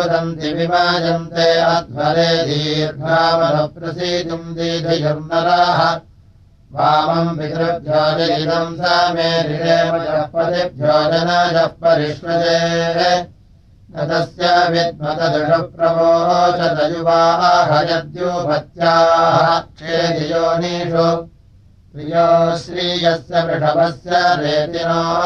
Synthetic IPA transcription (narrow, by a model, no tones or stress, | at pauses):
d̪ɐnt̪iʋimaːd͡ʒɐnt̪eːɐt̪̚bɐɾeːd̪iːɾb̪ʱaːmɐd̪ʱɐpɾɐsiːt̪umd̪iːd̪ʱɐjuɾnɐɾaːɦɐ̆ | ʋaːmɐmbit̪ɾɐp̚d͡ʒʱaːd̪iniɾɐmsaːmeːɾiɾeːmɐd͡ʒɐpːɐt̪ip̚d͡ʒaːd͡ʒɐnaːd͡ʒɐp̚pɐɾiʃʋɐd͡ʒ̪eːɦe | nɐd̪ɐsjɐʋit̪̚mɐt̪ɐd̪ɐʂɐpɾɐboːɦoːt͡ʃɐt̪ɐjubaːɦɐɦɐjɐd̪jupɐt̪jaːɦɐeːd̪id͡ʒoːniːʂu | t̪ɾijoːʃɾiːɡɐsjɐʋiʈɐbɐsjɐɾeːt̪inoːɦ